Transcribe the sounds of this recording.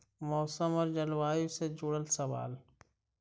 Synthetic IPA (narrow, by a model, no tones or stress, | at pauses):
mɔːsəmɔɾd͡ʒəlwaːjused͡ʒʊɽəlsɐʋa̰ːl